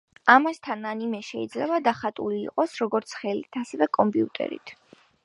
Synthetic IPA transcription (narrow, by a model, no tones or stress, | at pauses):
amast̪ʰanːanimɛʃɛid̪zlɛbad̪aχat̪ʼulḭːqʼɔsɾɔɡɔɾt̪sʰχɛlit̪ʰasɛvɛkʼɔmpʼiut̪ʼɛ̰ɾḭt̪ʰ